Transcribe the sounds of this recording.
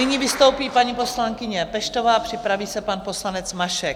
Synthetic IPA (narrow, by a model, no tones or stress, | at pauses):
ɪɲivɪst̪o̞wpiːpaɲipo̞slaŋkɪɲɛpɛʃt̪o̞vaːpr̥ɪpɾaviːsɛpanpo̞slanɛt͡smaʃɛk